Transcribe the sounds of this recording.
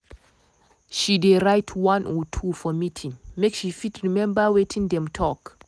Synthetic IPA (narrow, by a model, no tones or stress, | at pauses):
ʃideɾajtʰwãnʔɔtʰufɔmitʰĩŋmekʃifitɹimɛ̃mbawetʰĩŋd̪ɛ̃mtʰɔk